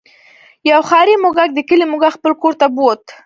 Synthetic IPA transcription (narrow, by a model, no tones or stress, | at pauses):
jawxɑɾimʊɡak̚d̪əkəlimʊɡaxpəlkoɾt̪abot̪